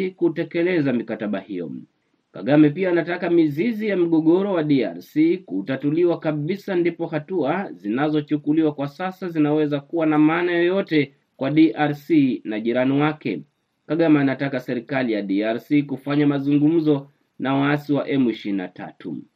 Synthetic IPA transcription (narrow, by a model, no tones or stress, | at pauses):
kutɛkɛlɛzamikataɓa̰hijɔ̰ | ka̰ɠamɛpiaːnatakamizizijam̩ɠɔɠɔɾɔwaɗia̰ɾsikutatuliwakaɓisandipɔhatuazinazɔt͡ʃukuliwakwasasazinawɛzakuwanamaːnajɔjɔtɛ | kwaɗiʔaɾsinaʄiɾaniwakɛ̰ | kaɠamaːnatakasɛɾikalijaɗiaɾsikufaɲamazuŋɡum̩zɔ | nawaasiwaʔɛmiʃina̰ta̰tʰṵ